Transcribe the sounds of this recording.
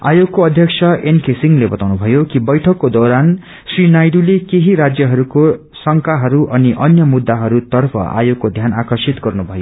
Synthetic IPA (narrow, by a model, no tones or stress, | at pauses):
a̰joɡːoʌd̪ʱjʌk̚sʰʌenkesiŋlebʌt̪awnubʱʌjokibʌjʈʰʌkːod̪oɾan | srinajɖulekeɦiɾad͡zjʌɦʌɾuko | sʌŋkaɦʌɾuʔʌniʔʌnjʌmud̪ːaɦʌɾut̪ʌrpʰʌ̰a̰joɡkːod̪ʱjana̰kʌrsit̪ɡʌrnubʱʌjo